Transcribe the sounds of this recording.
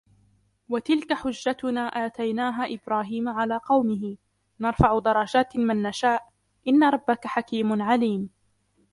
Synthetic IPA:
wat̪ɪlkaħʊd͡ʒːat̪ʊnaːʔaːt̪ajnaːɦaːʔɪbɾaːɦiːmaʕalaːqɑwmɪɦɪ | nɑɾˤfaʕʊd̪ɑɾˤɑd͡ʒaːt̪mɪnːaʃaːʔ | ʔɪnːaɾˤɑbːakaħakiːmʊnʕaliːm

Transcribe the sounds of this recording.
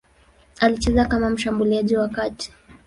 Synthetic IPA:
alit͡ʃɛzakamam̩ʃambuliaʄiwakati̥

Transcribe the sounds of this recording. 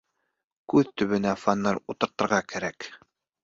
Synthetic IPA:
kʉðt̪ɵ̆βɵ̆næfanːɑɾut̪ɤ̆ɾt̪ɤ̆ɾʁɑkæɾæk

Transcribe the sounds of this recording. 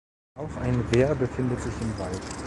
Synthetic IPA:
ʔaʊxʔa̰ɪnveːɐbəfɪndətz̥ɪçɪmvalt

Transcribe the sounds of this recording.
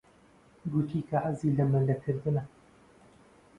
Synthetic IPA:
ɡut̪ʰiːkʰɐʕaziːlɐmɨlɐkʰɨɾd̪ɨnɐ

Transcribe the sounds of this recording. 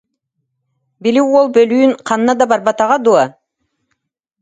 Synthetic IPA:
biliwolˠbølyynqʰɑnɯnɑd̪ɑbɑɾbɑt̪ɑʁɑd̪ua

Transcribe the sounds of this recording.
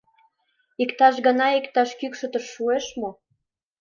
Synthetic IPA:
ikt̪ɑʃɡənɑikt̪ɑʃkykʃə̆t̪əʃːueʃmo

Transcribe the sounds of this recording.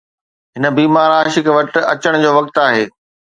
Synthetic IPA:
ɦɪnə̆biːmaːɾaːʃɪkʋɐʈɐt͡ɕəɽ̃d͡ʑoːʋɐk̚t̪aːɦeː

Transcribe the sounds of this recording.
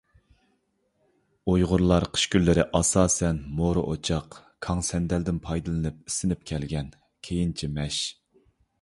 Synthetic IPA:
ojʁʊɾlˠɑɾqʰə̥ʃkʲylːɪɾɪʔɑsɑːsɛnmoɾɨ̰ʔot͡ʃʰɑqkʰɑŋsɛnd̪ɛld̪ɪnpʰɑjd̪ɨlˠɨnɨp̚i̥sɪnɪp̚kʲʰɛlɡʲɛn | kʲʰejint͡ʃʰimɛʃ

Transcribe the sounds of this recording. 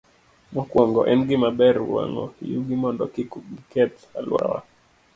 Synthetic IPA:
mɔkwɔŋɡɔʔɛmɡimabɛɾuwa̰ŋɔ̰juɡimɔndɔkikuɡikɛt | alwa̰wa̰

